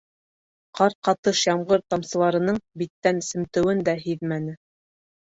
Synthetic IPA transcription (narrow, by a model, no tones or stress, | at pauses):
qɑɾqɑt̪ɤʃjɑmʁɤɾt̪ɑmsɤ̆lˠɑɾɤ̆nɤɴbit̪ːænɘ̆sɘ̆mt̪ɘ̆wɘnd̪æɦiðmænɘ